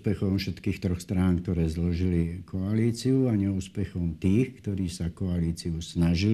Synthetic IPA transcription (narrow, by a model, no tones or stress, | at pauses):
pɛxɔmfʃɛt̪kiːxt̪ɾɔxst̪ɾaːnkt̪ɔɾɛːzlɔʒilikʰɔaliːt͡siuaɲɛuːspɛxɔmt̪iːxkt̪ɔɾiːsakɔaliːt͡siusnaʒil